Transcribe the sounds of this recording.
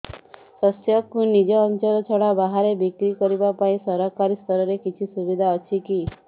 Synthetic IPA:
sɔsjɔkunid͡ʒɔːnt͡ʃɔlɔt͡ʃʰɔɽabaɦaɾebikɾikɔɾibapaĩsɔɾɔkaɾist̪ʰɔɾɔɾekit͡ʃʰisubid̪ʱaɔt͡ʃʰiki

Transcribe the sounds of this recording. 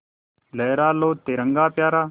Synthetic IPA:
lɛːɾaːloːt̪eːɾəŋɡaːpjaːɾaː

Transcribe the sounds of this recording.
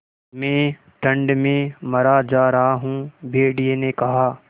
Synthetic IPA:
mɛ̃ː | ʈʰɐ̃ɳɖmẽmɐɾad͡ʒaːɾɐɦaɦũːbʱeːɽienekɐɦaː

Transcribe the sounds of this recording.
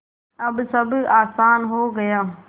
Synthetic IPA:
ɐbsɐbʱaːsaːnɦoːɡɐjaː

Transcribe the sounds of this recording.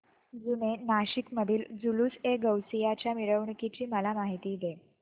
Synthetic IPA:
d͡zunenaɕikməd̪ʱiːld͡zuluːseɡəwsijat͡ɕjamiɾəʋɳkit͡ɕiːməlamaɦit̪iːd̪e

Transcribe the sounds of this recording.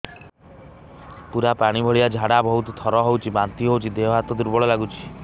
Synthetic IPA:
puɾapaɽ̃ibʱɔɭiad͡ʒʱaɽabɔɦut̪ɔt̪ʰɔɾɔɦowt͡ʃʰibant̪iɦowt͡ʃʰid̪eɦɔɦat̪ɔd̪uɾbɔɭɔlaɡut͡ʃʰi̥

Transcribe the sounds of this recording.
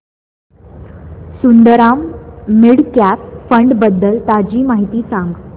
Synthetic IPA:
sund̪əɾamːiɽkæpfəɳɖbəd̪ːəlt̪ad͡ʑiːmaɦit̪iːsãŋɡ

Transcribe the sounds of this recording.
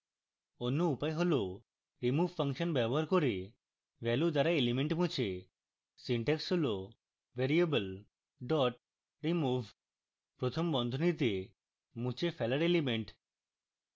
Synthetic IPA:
onːuupajɦolo | ɾimuʋʱfʰaŋʃɔnbɛbɔɦaɾkoɾe | ʋɛlud̪aɾaelimeɳʈmũt͡ɕʰe | siɳʈeksɦolo | ʋeɾiebəl | ɖɔʈ | ɾimubʱ | pɾot̪ʰombɔnd̪ʱonit̪̬e | mũt͡ɕʰefʰɛlaɾelimeɳʈ

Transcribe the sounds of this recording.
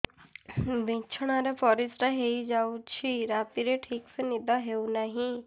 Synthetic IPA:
bẽːt͡ʃʰəɽ̃aːɾepɔːɾɪsɾaɦeid͡ʒaːut͡ʃʰiɾaːt̪iɾeʈʰiːksenɪd̪aɦeunɐɦĩ

